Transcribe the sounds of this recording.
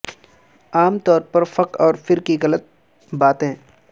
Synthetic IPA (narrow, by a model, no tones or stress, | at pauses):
aːmt̪ɔːɾpɐɾfɐqɔːɾfɪɾkiɣələt̪̚ | baːt̪ɦɛ̃ː